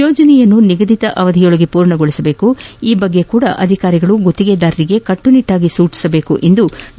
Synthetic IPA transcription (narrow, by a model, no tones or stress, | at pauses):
ɔːd͡ʒɐnɛjɐnːuniɡɐd̪it̪ɐʔɐʋɐd̪ʱijoɭɐɡepuːɾɳɐɡoɭisɐbe̞ːkuiːbɐɡːe̞kuːɽɐʔɐd̪ʱikaːɾiɡɐɭuɡot̪ːiɡed̪aːɾiɾiɡe̞kɐʈːuniʈːaːɡisuːt͡ʃi̥sɐbe̞ːkuʔend̪u